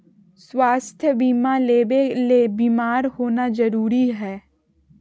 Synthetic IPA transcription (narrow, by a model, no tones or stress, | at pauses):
swaːst̪ʰjəbiːmaleelebiːmaːɾhoːnad͡ʒəɾuːɾiɦɛː